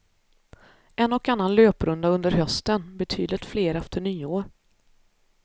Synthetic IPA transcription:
ʔɛnːɔkanːanløːpɾɵnd̪aɵnd̪əɾɦœst̪ənbɛt̪ʰyːd̪lɪt̪fleːɾɛft̪əɳyːoːɾ

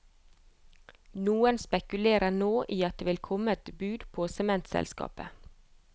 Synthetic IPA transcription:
nuːənspɛkʉleːɾənoːʔiːɑt̪̚d̪eːʋɪlkʰɔməɛt̪bʉːd̪pʰoːsɛmɛnt̪sɛ̰lskɑ̰ːpə

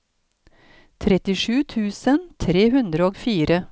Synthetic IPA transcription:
t̪ʰɾɛt̪ɪʂʉːt̪ʰʉːsənt̪ʰɾeːɦʉnd̪ɾəoːɡfiːɾə

